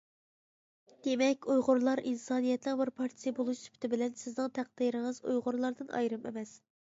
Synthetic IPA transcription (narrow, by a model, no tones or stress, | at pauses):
d̪̥emɛkʲujʁʊɾlˠɑɾʔinsɑːnijɛt̪nɨŋbɪɾpʰɑɾt̪ʰijbolˠuʃsy̥pt̪ʰɪbɪlɛnsɪznɨŋt̪ʰæq̚d̪̥iɾɪŋɨzo̰jʁʊɾlˠɑɾd̪ɨnɑ̰jɾɨmḛmɛs